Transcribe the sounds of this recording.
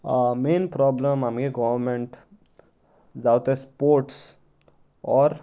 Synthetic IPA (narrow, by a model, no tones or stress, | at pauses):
mẽːnpɾɔːbləmɦəmɡeɡɔʋəɾmẽɳʈ | d͡ʒaːwt̪ɛspoːɾʈs | ɔːɾ